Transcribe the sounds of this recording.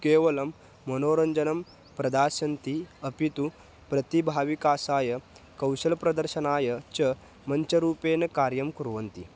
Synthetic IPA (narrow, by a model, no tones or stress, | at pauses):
keːʋɐlɐmː | ɐnoːɾɐɲd͡ʒɐnɐm | pɾɐd̪aːsɐnt̪iɐpit̪u | pɾɐt̪ibʱaːʋikaːsaːjɐkɐwɕɐlpɾɐd̪ɐɾɕɐnaːjɐt͡ɕɐ | mɐnt͡ɕɐɾuːpeːnɐkaːɾjɐmkuɾʋɐnt̪ḭ